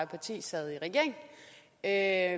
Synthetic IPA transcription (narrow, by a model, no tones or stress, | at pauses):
pʰɑ̈t͡sʰḭːsɛð̞̩ˠiʁɛɡ̥e̝ɐ̰eŋ | ø